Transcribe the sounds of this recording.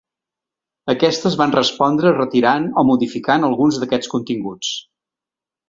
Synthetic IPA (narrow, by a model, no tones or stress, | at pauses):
əkɛst̪əzβanrəspɔnd̪ɾərət̪iɾanomuðifikanəlˠɣunzðəkɛt͡skunt̪iŋɡut͡s